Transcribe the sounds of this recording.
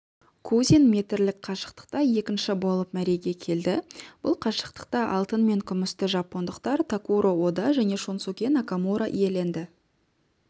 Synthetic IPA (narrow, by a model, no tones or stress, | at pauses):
kʰuzʲinmʲe̞t̪ɪɾlɪk̚qʰɑʃə̥qt̪ə̥q̚t̪ɑje̞kʲɪnʃɪbo̞lˠəpmæɾe̞ɡʲe̞kʲʰe̞ld̪ɪb̥ʊ̰lˠqʰɑʃə̥q̚t̪ə̥q̚t̪ɑʔɑlˠt̪ənme̞ŋkʲʰʏmɪst̪ɪʒɑpːo̞nd̪əqt̪ɑɾt̪ʰakuɾowod̪ɑʒæne̞ʃonsukʲe̞nakamuɾaʔije̞le̞nd̪ɪ